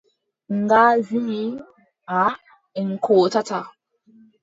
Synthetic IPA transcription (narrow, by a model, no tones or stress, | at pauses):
ŋɡazii | a | ŋ̩kʰotata